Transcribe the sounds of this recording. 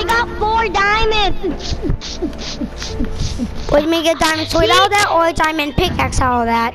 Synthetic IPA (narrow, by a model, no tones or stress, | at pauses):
ɡɑtfɔɹdaɪmɨ̃ns | wədmeɡɛdãɪ̃mə̃nswɪɾɔlˠðæɾɔdãɪ̃mɨ̃n̚pʰɪk̚æksɔlˠʌvðæt̚